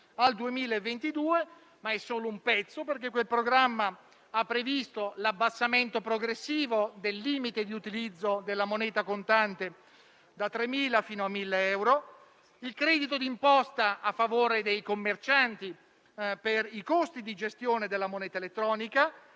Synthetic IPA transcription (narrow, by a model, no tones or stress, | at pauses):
ald̪uemiːlaevːent̪id̪uːe | maɛsːoːloumpɛt̪sːoperk̟ekːwelpɾoɡɾamːa | apːɾevist̪olabːasːament̪opɾoɡɾesːiːvod̪elːiːmit̪ed̪iut̪ilid̪zːod̪elːamonɛːt̪akont̪ant̪e | d̪at̪ːɾemːiːlafiːnoamːilːeɛwɾo | ilkɾɛd̪it̪od̪impɔst̪aafːavoːɾed̪ejkomːert͡ʃant̪i | perikost̪id̪id͡ʒest̪joːned̪elːamonɛːt̪aelet̪ːɾɔːnika